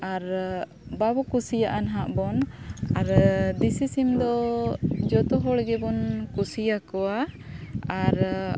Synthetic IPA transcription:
aɾ | babɔkusijaʔanɦaʔbɔnaɾd̪isisimd̪ɔ | d͡ʒɔt̪ɔɦɔɽɡɛbɔnkusijakɔwa | aɾ

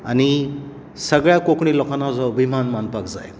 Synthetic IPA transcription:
a̰ni | sɐɡjakokʰnilɔkʰanawzawbimanmanpak̚za̰j

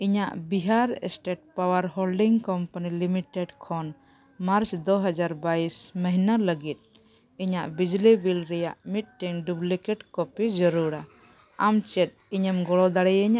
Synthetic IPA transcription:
iɲaʔbiɦaɾɛ̰sʈeʈ̚pawaɾɦolɖiŋkɔmpanilimiʈɛɖkʰɔn | maɾt͡ʃd̪ɔɦad͡ʒaɾbaisməɦinaləɡit̪̚ | iɲaʔbid͡ʒlibilɾɛjaʔmit̪̚ˀʈiŋɖublikɛʈkɔpid͡ʒɔɾuɾa | amt͡ʃɛt̪̚iɲəmɡɔɽɔd̪aɽɛjəɲaʔʔ

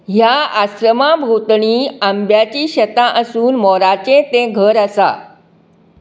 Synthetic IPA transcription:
ɦjaaɕɾəmabʱut̪ɳiːambjat͡ɕiːɕət̪ãʔəsuːnmɔɾat͡ɕẽt̪ẽɡʱəɾəsa̰

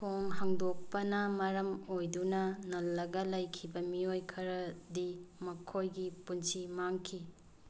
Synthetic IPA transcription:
pʰoŋɦaŋdok̚pɐnɐmɐɾɐmojdunɐnɐlːɐɡɐlɐjkʰibɐmiojkʰɐɾɐdimɐkʰojɡipunsʰimaŋkʰi

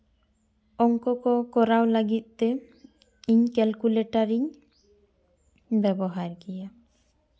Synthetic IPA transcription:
ɔŋkɔkɔkɔɾawlaɡit̪̚ˀt̪ɛ | iɲkɛlkuleʈaɾiɲ | bɛbɔɦaɾɡija

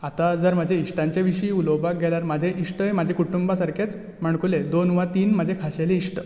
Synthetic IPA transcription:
at̪ad͡zəɾmad͡ʑʱeiʂʈãɲt͡ɕeʋiɕiːulowbak̚ɡʱɛlaɾmad͡ʑʱeʔiʂʈəemad͡ʑʱekuʈumbasaɾket͡s | m̤aɳkuled̪onʋat̪iːnmad͡ʑʱekʰaɕeleisʈə

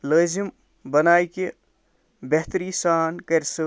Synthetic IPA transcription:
ləd͡ʒim | bənaːjke | beɦt̪ɾisaːnkəɾsə

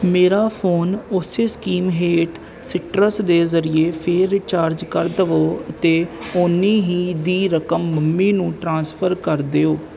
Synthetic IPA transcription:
meːɾaːpʰoːnʊseːskiːmɦeːʈ | sɪʈɾəsd̪eːzəɾieːpʰeɾt͡ʃaːɾd͡ʒkəɾd̪əʋoːət̪eːʊnːiːɦiːd̪iːɾəkəmːəmːiːnũːʈɾãːnspʰəɾkəɾd̪eːoː

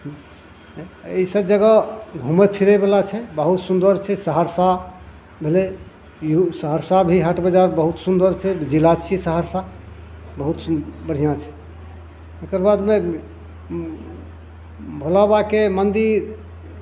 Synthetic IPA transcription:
eisə̃d͡ʒəɡəɡʱuməpʰiɾəbelat͡ʃʰɛbəɦut̪sund̪əɾt͡ʃʰɛsəɦəɾsa | bʱele | jusəɦəɾsabʱiɦəʈbəd͡ʒaɾbəɦut̪sund̪əɾt͡ʃʰɛd͡ʒilat͡ʃʰisəɦəɾsa | bəɦut̪bəɽ̤ijãt͡ʃʰɛ | okəɾbad̪me | bʱolabakemənd̪iɾ

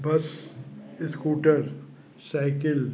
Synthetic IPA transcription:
bɐs | ɪskuːʈəɾ | saɪkɪl

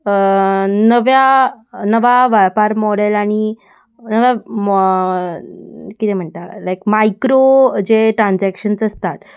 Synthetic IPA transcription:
ənəʋjanəʋaʋapaɾmɔɽelaɽ̃i | nəʋja | kit̪em̤əɳt̪alajkmajkɾod͡ʑeʈɾãnd͡zækɕənsəst̪at̪

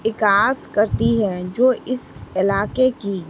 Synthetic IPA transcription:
ɪkaːskɐɾt̪iɦɛ̃d͡ʒoːʔɪsɪlaːkeki

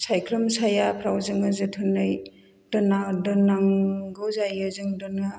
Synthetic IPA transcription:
sajkʰɾɔmsajapʰɾawzɯŋɯzɯtʰɯnɯj | d̥ɔnadɔnaŋɡɯwzajɯzɯŋdɔna

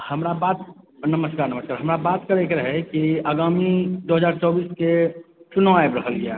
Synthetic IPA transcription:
həmɾabat̪̚nəməskaːɾnəməskaːɾɦəmɾabaːt̪kəɾekɾəɦekiəɡaːmid̪oɦəd͡ʒaːɾt͡ʃɔːbiːsket͡ʃʊnõaebɾəɦəlɡeja

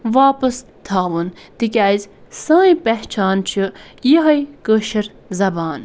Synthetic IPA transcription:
ʋaːpɐs | t̪ʰaːʋunt̪ikʲajzsãːĩpeht͡ʃʰaːnt͡ʃʰijiɦɐjkəːʃɐɾ | zɐbaːn

